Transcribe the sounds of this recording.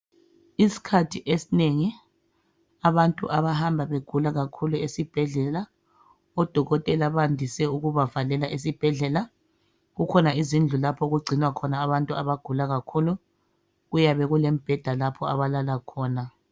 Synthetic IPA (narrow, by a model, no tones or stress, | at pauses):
isi̥kʰatʰiʔesineŋi | aβantʼṵʔaβahambʱaβeɡ̥ʱulaɣakʰuluesib̥ʱɛɮɛla | ɔd̥ʱɔɣɔtʼɛlaβandʱisɛuɣuβavalɛlaʔesib̥ʱɛɮɛla | ɣukʰɔnaizind͡ɮʱulapʰɔɣuɡ͡ǀʱinwakʰɔnaːβantʼuaβaɡ̥ʱulaɣakʰulu | ɣujaβɛɣulem̩b̥ʱɛd̥ʱalapʰɔa̰βalalakʰɔːna